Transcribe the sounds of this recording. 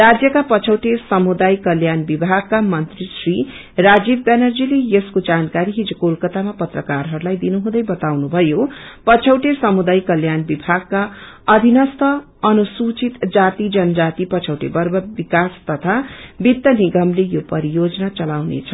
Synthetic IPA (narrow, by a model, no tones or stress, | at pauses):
rad͡zjʌkapʌt͡sʰʌwʈesʌmud̪ajkʌljanbibʱaɡ̚kamʌnt̪risri | rad͡zibbanʌrd͡zilejʌskod͡zankaɾiɦid͡zukolkʌt̪amapʌt̪rʌkarɦʌɾulajd̪inuɦũd̪ʌjbʌt̪awnubʱʌjopʌt͡sʰʌwʈesʌmud̪ajkʌljanbibʱaɡ̚ka | ʌd̪ʱinʌst̪ʌ | ʌnusut͡sit̪d͡zat̪id͡zʌnʌd͡zat̪ipʌt͡sʰʌwʈḛbʌrbʌbikast̪ʌt̪ʰabit̪ːʌniɡʌmlejopʌɾijod͡zʌnat͡sʌlawnḛt͡sʰʌ